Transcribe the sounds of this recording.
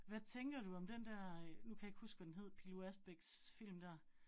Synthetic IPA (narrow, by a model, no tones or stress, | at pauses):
ʋæt͡sʰeŋɡ̥ɐɾuɒ̽md̥end̥æɐ̰nukʰæjeɡ̥husɡ̥ʋæd̥enɦe̝ð̰ˠpʰiloæsb̥eɡ̥sfil̰md̥æɐ̰